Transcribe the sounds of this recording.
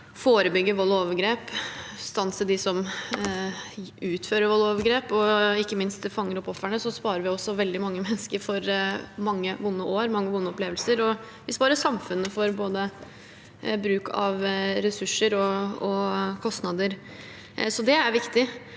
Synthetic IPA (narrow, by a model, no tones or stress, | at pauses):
foːɾəbʏɡːəʋɔlːoːʋəɾɡɾeːpst̪ɑnsəd̪ɪsɔm | ʉːt̪føːɾəɾʋɔlːoːʋəɾɡɾeːpɔɪkːəmɪnst̪fɑŋːəɾɔpɔfːəɳəsɔspɑːɾəɾʋɪɔsːɔʋɛld̪ɪmɑŋːəmɛnːəskəɾfɔɾmɑŋːəʋʊnːəʔoːɾmɑŋːəʋʊnːəɔpleːʋəlsəɾɔ | ʋɪspɑːɾəsɑmfʉnːəfɔɾboːd̪ə | bɾʉːkʰɑ̰ʋɾɛsʉʂːəɾɔɔkʰɔst̪nɑd̪əɾ | sɔd̪ɛæɾʋɪkt̪ɪ